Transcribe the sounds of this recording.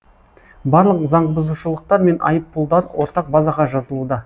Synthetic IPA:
bɑɾlˠəqzɑɴbəzuʃəlˠəq̚t̪ɑɾme̞nʔɑ̰jəpːʊlˠd̪ɑɾwo̞ɾt̪ɑq̚bɑzɑʁɑʒɑzəlˠud̪ə

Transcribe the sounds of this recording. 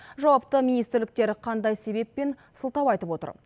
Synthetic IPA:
ʒɑwɑp̚t̪əminijst̪ɪɾlɪk̚t̪e̞ɾqʰɑnd̪ɑjse̞be̞pːe̞n | səlˠt̪ɑwɑjt̪əpwo̞t̪ə̰ɾ

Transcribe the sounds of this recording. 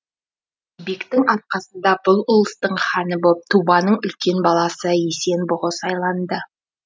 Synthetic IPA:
bekt̪ɪŋɑt̪̚qɑsənd̪ɑbʊlˠʊlˠəst̪əɴχɑnəbop̚t̪ʰubɑnəɴʏlkʲe̞nbɑlˠɑsəese̞nbʊʁəsɑjlˠɑnd̪ə

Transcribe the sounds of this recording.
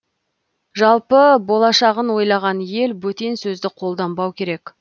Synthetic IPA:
ʒɑlˠpəbo̞lˠɑʃɑʁənwo̞jlˠɑʁɑnje̞lbɵt̪e̞nsɵzd̪ɪqʰo̞lˠd̪ɑmbɑwkʲʰe̞ɾe̞k

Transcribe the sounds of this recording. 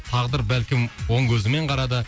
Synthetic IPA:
t̪ʰɑʁd̪əɾbælkʲɪmwo̞ŋkʲʰɵzɪme̞ɴqʰɑɾɑd̪ɑ

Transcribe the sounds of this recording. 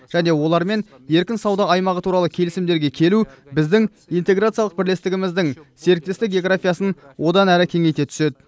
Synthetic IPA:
ʒ̥æne̞wo̞lˠɑɾme̞n | je̞ɾkʲɪnsɑwd̪ɑːjmɑʁət̪ʰuɾɑlˠəkʲʰe̞lɪsɪmd̪eɾɡʲe̞kʲʰe̞lubɪzd̪ɪŋ | ijnt̪e̞ɡɾat̪sɨjɑlˠəq̚bɪɾle̞st̪ɪɡʲɪmɪzd̪ɪŋse̞ɾɪk̚t̪est̪ɪk̚ɡʲe̞ɡrafʲijasənwʔo̞d̪ɑnæɾɪkʲʰe̞ŋe̞jt̪e̞t̪ʰʏ̥se̞d̪ɪ

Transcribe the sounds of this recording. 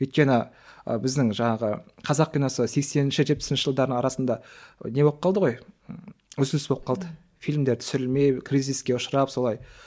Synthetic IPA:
ojt̪̚kʲe̞nɪ | ə̰bɪzd̪ɪŋʒɑɴɑʁəqʰɑzɑq̚pʲijnosəse̞kse̞nɪnʃɪʒe̞t̪̚pɪ̥ɪnʃəʒəlˠd̪ɑɾd̪əɴɑɾɑsənd̪ɑne̞bo̞p̚qːɑlˠd̪əʁoj | ɵzɪnɪsbo̞p̚qʰɑlˠd̪ə | filʲmd̪e̞ɾt̪ʰʏ̥sɪɾɪlme̞jkriziskʲe̞ʊʃəɾɑpso̞lˠɑj

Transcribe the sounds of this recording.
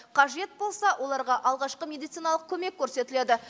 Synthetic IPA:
qʰɑʒe̞t̪̚bo̞lˠsɑwʔo̞lˠɑɾʁɑʔɑlˠʁɑʃqəmʲed̪ijt̪sijnɑlˠəq̚kʲʰɵme̞kʲːʰɵɾse̞t̪ɪle̞d̪ɪ

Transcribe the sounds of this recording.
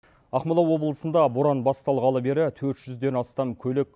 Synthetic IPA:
ɑqməlˠɑwo̞bəlˠəsənd̪ɑboɾɑnbɑst̪ɑlˠʁɑlˠəbe̞ɾɪt̪ʰɵɾt̪ʒ̥ʏzd̪e̞nɑst̪ɑmkʲʰɵlekʲ

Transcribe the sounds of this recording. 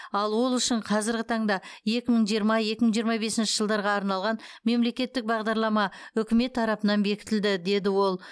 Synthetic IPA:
ɑlˠwo̞lˠʏʃɪɴqʰɑzɪɾɡʲɪt̪ʰɑɴd̪ɑje̞kʲɪməɴʒijəɾmɑje̞kʲɪməɴʒijəɾmɑbe̞sɪnʃɪ̥ʒəlˠd̪ɑɾʁɑːɾnɑlˠʁɑnme̞mle̞kʲe̞t̪ːɪk̚bɑʁd̪ɑɾlˠɑmɑʏkʲɪme̞t̪ʰːɑɾɑpənɑnbe̞kʲɪ̥t̪ɪld̪ɪd̪e̞d̪ɪwo̞lˠ

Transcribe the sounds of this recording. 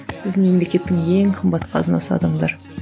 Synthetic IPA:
b̥ɪzme̞mle̞kʲe̞t̪ːɪŋeŋqʰəmbɑt̪qʰɑ̰zənɑsɑ̰d̪əɴd̪ɑɾ

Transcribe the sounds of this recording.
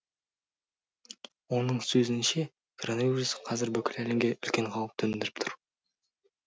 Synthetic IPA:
wo̞nəɴsɵzɪnʃe̞ | kʰronovʲirusqʰɑzɪɾbɵkʲɪlælemɡʲe̞ʔʏlkʲe̞ɴqʰɑlwˠəp̚t̪ʰɵmɪnd̪ɪɾɪ̥p̚t̪ʰʊɾ

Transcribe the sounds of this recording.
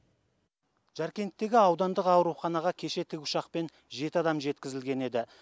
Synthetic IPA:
ʒ̥æɾkʲe̞nt̪ːe̞ɡʲɪɑwd̪ɑnd̪əqɑwɾuχɑnɑʁɑkʲʰe̞ʃe̞t̪ʰɪkʲʊʃɑqpe̞n | ʒe̞t̪ɪɑd̪ɑmʒe̞t̪kʲɪzɪlɡʲe̞ne̞d̪ɪ

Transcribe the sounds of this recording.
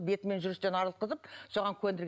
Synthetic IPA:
be̞t̪ɪme̞nʒʏɾɪst̪e̞nɑɾlˠt̪qəzəpsoʁɑŋkʲʰɵnd̪ɪɾɡʲ

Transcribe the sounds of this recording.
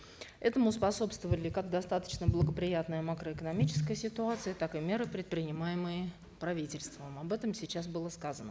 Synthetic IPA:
ɛt̪əmʊspɐso̞pst̪vəvəlʲɪkaɡd̪ɐst̪at̪ə̥t͡ɕnəblˠəɡəpɾʲɪjat̪nəjəmakɾəɪkənɐmʲit͡ɕɪ̥skəjəsʲɪt̪ʊat̪sɨjət̪akɨmʲe̞ɾɨpɾʲɪt̪̚pɾʲɪnʲɪmajɪməjɪ | pɾɐvʲitʲɪlʲst̪vəmɐbɛt̪əmsʲɪt͡ɕːasbɨlˠəskazənə

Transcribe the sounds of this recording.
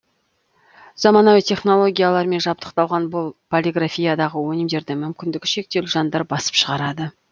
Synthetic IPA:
z̥ɑmɑnɑwit̪ʰʲe̞χno̞lˠo̞ɡʲijalˠɑɾme̞nʒɑp̚t̪ə̥qt̪ɑlˠʁɑnbʊlˠpʰolʲiɡrafʲijad̪ɑʁəwɵnɪmd̪e̞ɾd̪ɪmʏmkʲɪnd̪ɪɡʲɪʃe̞k̚t̪e̞lʒɑnd̪ɑɾbɑsə̥pʃəʁɑɾɑd̪ə

